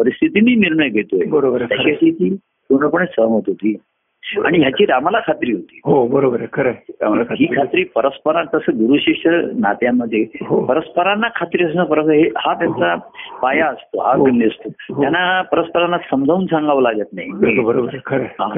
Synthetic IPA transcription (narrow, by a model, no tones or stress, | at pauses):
pəɾist̪ʰit̪iniːniɾɳəjɡʱet̪oebəɾobət̪jat͡ɕaɕikiː | soɳəpəɳesəmət̪ɦot̪iː | a̰ɽ̃iɦjat͡ɕiːɾamalakʰat̪ɾiːɦot̪ḭːɦobəɾobəɾkʰəɾəamalakʰaɦiːkʰat̪ɾiːpəɾəspəɾat̪əsəɡuɾuɕeʂəɾna̰t̪jaməd̪ʱːeɦopəɾəspəɾanːakʰat̪ɾiːəs̬nəpəɾəsɦehat̪jant͡sapajaəst̪oɦanist̪otɦ̪janːapəɾəspəɾanːasəmd͡zʱauːnsãŋɡaʋəlaɡət̪na̰ɦinobəɾobəɾkʰəɾəɦã